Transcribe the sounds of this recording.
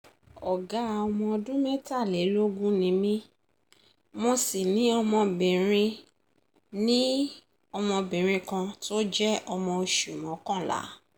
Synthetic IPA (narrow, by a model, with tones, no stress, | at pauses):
ɔ˨ɡa˨˦˧ɔ˧mɔ̃˧ɔ˧dũ˦mɛ˦ta˦˨le˨˦ɾi˦o˦ɡũ˦nĩ˧˦mĩ˦ | mɔ̃˧si˨nĩ˨˦ɔ˧mɔ̃˧bĩ˨ɾ̃ĩ˧ | nĩ˦ | ɔ˧mɔ̃˧bĩ˨ɾ̃ĩ˧kã˧to˦d͡ʒɛ˦ʔɔ˧mɔ̃˧o˧ʃu˨mɔ̃˨˦kã˦˨la̰˨˦